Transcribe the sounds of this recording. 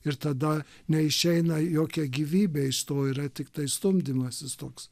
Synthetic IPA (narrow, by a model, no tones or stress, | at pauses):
ɪɾt̪ɐd̪ɐ | nʲɛɪʃʲɛɪnɐjoːkʲɛɡʲiːʋʲiːbʲeːɪʃt̪oːɪɾɐt̪ʲɪkt̪ɐɪst̪ʊmʲd̪ʲɪmɐsʲɪst̪oːks